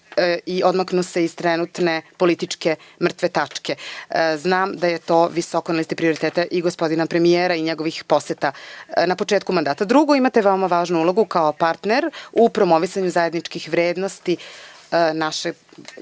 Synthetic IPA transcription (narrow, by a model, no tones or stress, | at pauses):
io̞d̪maknuse̞iz̥t̪ɾɛnut̪ne̞po̞lit̪it͡ʂke̞mr̩t̪ʋet̪at͡ʂke̞znaːmd̪ajet̪o̞ːʋiso̞konɛlist̪ipɾio̞ɾit̪eːt̪aʔiɡospod̪inapɾe̞mijeːɾaiɲeɡo̞ʋixpo̞set̪anapo̞t͡ʃeːt̪kumand̪aːt̪ad̪ɾuɡoimat̪eʋeo̞maʋaːʒnuulˠo̞ɡukaopaɾt̪neɾupɾo̞mo̞ʋisaɲuzaje̞d̪nit͡ʂkixʋɾeːd̪nost̪i | naʃe